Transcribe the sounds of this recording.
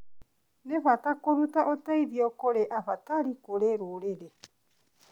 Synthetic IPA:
neɸat̪akoɾut̪aʔot̪aiɾiokoɾeʔaɸat̪aɾikoɾeɾoɾeɾe

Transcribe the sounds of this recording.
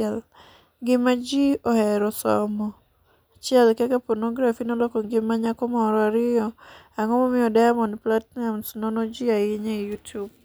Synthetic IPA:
ɛl | ɡɪmad͡ʒiohɛɾɔsɔ̰mɔ | t͡ʃɪɛlkɛkapɔɾnoɡɾafinolokoɡɪmːaɲakɔmɔɾɔaɾɪɔ | aŋɔmomɪjɔdajamɔnplatnamsnonod͡ʒiaɪɲeijutjub̚

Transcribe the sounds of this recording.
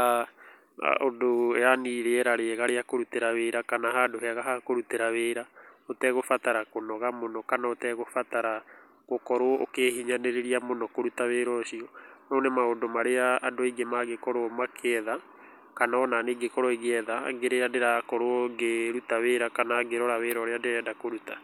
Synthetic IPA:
a̰ | ondoɛaniɾeɛɾaɾeɛɣaɾeakoɾuteɾaweɾakanahadoheaɣahakoɾuteɾaweɾaotɛɣofataɾakonɔɣamonɔkanaotɛɣofataɾa | ɣokɔɾoɔʔokeːhiɲaneɾeɾiamonɔkoɾutaweɾɔʃiɔnɔːnemaodomaɾeaːdoaiɡemaɣekɔɾoɔmakʰeɛða | kanaɔnaneɡekɔɾɔiɣeɛða̰ːɡeɾeadeɾakɔɾoɔɡeɾutaweɾakanaːɡeɾɔɾaweːɾɔɾeadeɾɛːdakoɾuta

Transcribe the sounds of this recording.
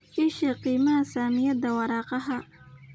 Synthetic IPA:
iʃɐqiːmɐɦɐsaːmɪjɐd̪ɐwɑɾɑːqɑɦɐ

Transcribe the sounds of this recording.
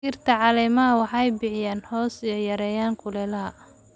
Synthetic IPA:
iːrt̪ʰɐʕɑlɛːmɐɦɐwɑħɑɛjbɪʕɪjaːnhɔːsijɔjɐɾɛːjaːŋkʰʊlɛːlɐɦɐ

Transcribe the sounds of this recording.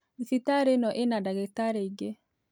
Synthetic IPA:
iθitaɾenɔʔenadaɡetaɾeiɡe

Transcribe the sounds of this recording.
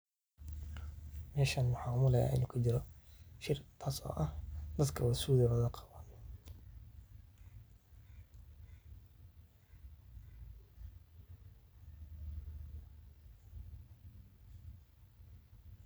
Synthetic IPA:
mɛːʃaːnmʊħɑːmʊlɛja̰ːʔɪ̰nuːkʰɐt͡ʃɪɾɔʃɪrt̪ʰaːsɔ̰ːʔɐhd̪̥ɐd̪kʰɐwɐsuːðɐwɐðɐqʰɑβan

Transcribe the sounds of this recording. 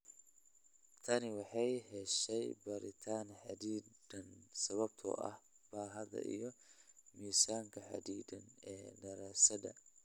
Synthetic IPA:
t̪ʰɐnɪwɑħɑjhɛʃɛjbɐɾɪt̪ʰaːnħɑd̪iːd̪ɐnsɐβɐb̚t̪ʰɔ̰ʔɐ̰h | b̥aːɦɐðɐ̰ʔḭjɞmiːsaːŋkʰɐħɑ̰d̪iːd̪ɐnɛːdɐɾaːsɐdɐ̰

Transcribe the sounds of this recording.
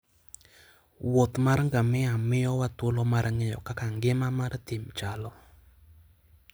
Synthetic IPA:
wot̪maɾŋɡamɛamɪjɔwatwolɔmaɾaŋɪjɔ̰kakaŋɡɪmamart̪ɪmt͡ʃalɔ

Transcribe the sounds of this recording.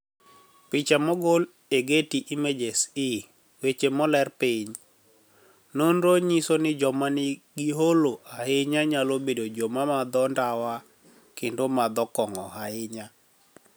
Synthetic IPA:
pɪt͡ʃamɔɡol | eɡetiʔimed͡ʒesɪ | wet͡ʃemɔlɛrpɪɲ | nonɾoɲisonɪd͡ʒɔmanɪɡɪɦoloʔahɪɲaɲalobedod͡ʒomamad̪ɔndawa | kendomad̪ɔkɔŋɔhaɪɲa

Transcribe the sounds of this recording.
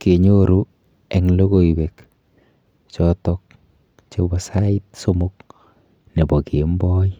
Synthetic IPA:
keɲoɾu | ɛŋloɡoibek | t͡ʃɔtɔk̚ | t͡ʃebɔsait̚somʊk̚ | nebɔkembɔ

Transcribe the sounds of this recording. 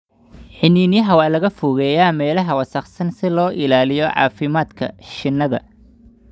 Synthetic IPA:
ħɪniːnɪjɐɦɐwaːlɐɣɐfʊɣɛːjaːmɛːlɐɦɐwɑsɐχsɐnsɪlɔːʔɪlaːlɪjɔʕɑ̰ːfɪmaːd̪kʰɐ̰ʃɪnːɐðɐ̰

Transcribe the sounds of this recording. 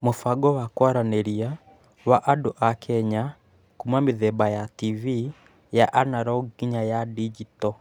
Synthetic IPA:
mofaɡɔwakwaɾaneɾia | waʔaduʔakʰɛɲa | kumwamiðɛbajativi | jaʔanaɾɔɡiɲajadid͡ʒitɔ

